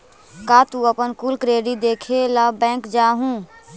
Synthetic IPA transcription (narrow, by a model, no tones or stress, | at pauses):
kaːt̪ũəpənkuːlkɾeːɖid̪eːkʰelabɛ̃ːŋkd͡ʒaːɦũː